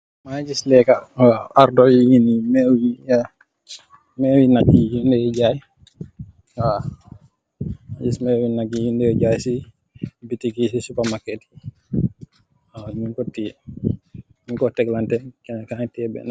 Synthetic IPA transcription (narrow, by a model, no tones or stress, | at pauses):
mad͡ʒislɛkawaaɾdɔjiŋinimɛwija | mɛwinaɡid͡ʒindɛjɛd͡ʒaj | a | mad͡ʒismɛwinaɡijindɛɔɟajsi | bitikisisupamakːɛti̥ | aniŋkɔtːi | niŋkɔtɛklantɛkɛkaŋtɛbɛ̰na